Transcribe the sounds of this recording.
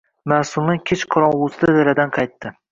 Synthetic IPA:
masʊlˠnɪkʲʰet͡ʃqʰɒɾɒnʊsɪd̪ad̪elad̪anqʰɑjt̪ʰːɪ

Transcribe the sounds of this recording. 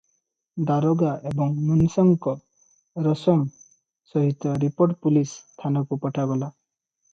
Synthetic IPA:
d̪aɾoɡaʔebɔŋmunsɔŋkɔ | ɾɔsɔŋ | sɔɦit̪ɔɾipoɾʈpulist̪ʰanɔkupɔʈʰaɡɔla

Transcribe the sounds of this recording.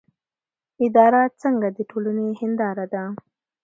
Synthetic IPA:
ɪd̪ɑɾat͡səŋɡad̪əʈʰolanehɪnd̪ɑɾad̪a

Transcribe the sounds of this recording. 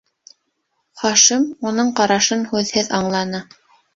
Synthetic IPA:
χɑʃimunɤɴqɑɾɑʃɤnhʉðhɘðɑɴlˠɑnɤ

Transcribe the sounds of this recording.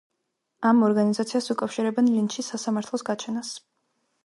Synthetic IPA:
amɔɾɡanizat̪sʰiasukʼafʃiɾɛbɛnlinʃisasamaɾt̪ʰlˠɔsɡat͡ʃʰɛnas

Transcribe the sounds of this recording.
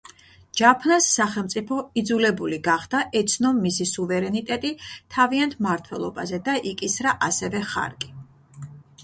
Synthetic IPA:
d͡ʒapʰnasːaχɛlˠmt̪sʼipʰɔid̪zulɛbuliɡaχd̪̥aʔɛt̪sʰnɔmːisisuvɛɾɛnit̪ʼɛt̪ʼit̪ʰaviant̪ʰmaɾt̪ʰwɛlˠɔ̰ba̰zɛd̪aʔikʼisɾaʔasɛvɛχa̰ɾkʼi

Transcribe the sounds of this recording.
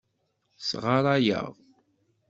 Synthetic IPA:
sʁaɾˤajə̰ʁ

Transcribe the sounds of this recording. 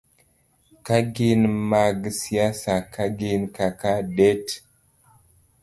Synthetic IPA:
kaɡinmaɡsiasakaɡinkakaɗet

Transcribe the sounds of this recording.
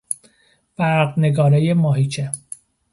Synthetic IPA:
fæɾɡneɡɒːɾejemɒːɦiːt͡ʃʰe

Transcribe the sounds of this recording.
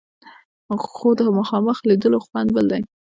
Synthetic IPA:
xod̪əməxɑməxlid̪əloxwand̪bəld̪aj

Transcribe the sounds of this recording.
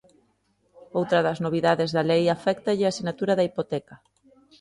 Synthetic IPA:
owt̪ɾɐðɐznoβ̞iðaðezðɐlejafɛkt̪aʎɪasinat̪uɾaðaipot̪ɛkɐ

